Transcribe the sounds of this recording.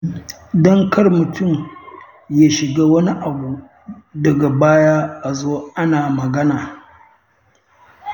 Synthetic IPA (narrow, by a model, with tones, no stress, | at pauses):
dɐ˦ŋkɐ˦rmʊ˨tʰʊ˦˨m | jaː˦ʃɪ˨ɡaː˦wɐ˦ni˦ʔa˨buː˨ | dɐ˨ɡa˨baː˦ja˦ʔa˨zoː˦ʔa˦naː˨mɐ˨ɡɐ˦naː˨